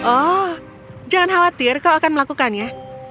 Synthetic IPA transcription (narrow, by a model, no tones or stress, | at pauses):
ʔɔ | d͡ʒaŋanɦawat̪ɪrkawakanməlakukanja